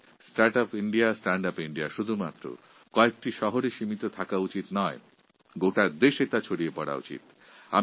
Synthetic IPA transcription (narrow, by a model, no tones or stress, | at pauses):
sʈaɾʈapiɳɖiasʈaɳɖapiɳɖiaʃud̪ʱumat̪ːɾo̰ | kɔek̚ʈiʃɔɦoɾeʃimit̪ot̪ʰakaut͡ɕit̪nɔe | ɡoʈad̪eʃet̪at͡ɕʰoɽijepɔɽa̰ṵt͡ɕḭt̪ | a̰